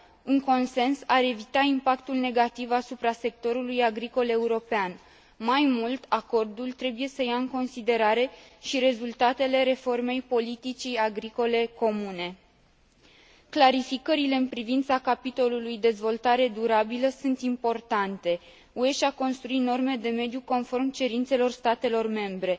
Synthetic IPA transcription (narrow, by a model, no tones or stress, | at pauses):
uŋko̞nse̞nsaɾe̞vit̪aimpakt̪ulne̞ɡat̪ivasupɾase̞k̚t̪o̞ɾulujaɡɾiko̞le̞uɾo̞pean | majmult̪ako̞rd̪ult̪ɾe̞buje̞səjaɨŋko̞nsid̪e̞ɾaɾe̞ʃiɾe̞zult̪at̪e̞le̞ɾe̞fo̞rme̞jpo̞lit̪it͡ʃijaɡɾiko̞le̞ko̞mune̞ | klaɾifikəɾile̞ɨnpɾivint̪sakapit̪o̞lulujd̪e̞zvo̞lt̪aɾe̞d̪uɾabiləsunt̪impo̞rt̪ant̪e̞ | ue̞ʃako̞nst̪ɾuit̪no̞rme̞d̪e̞me̞d̪juko̞nfo̞rmt͡ʃe̞ɾint̪se̞lo̞rst̪at̪e̞lo̞rme̞mbɾe̞